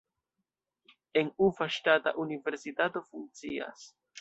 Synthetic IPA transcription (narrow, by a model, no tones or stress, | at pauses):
e̞nufaʃtata̰ʔunive̞ɾsitato̞fuŋ̚t͡sia̰s